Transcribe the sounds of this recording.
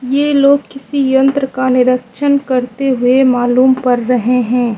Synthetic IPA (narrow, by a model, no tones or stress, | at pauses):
jeloːɡ̚kɪsijə̃nt̪ɾəkanɪɾəkʃənkɐɾt̪eɦʊemaːluːmpɐɾːɐɦeɦɛ̃ː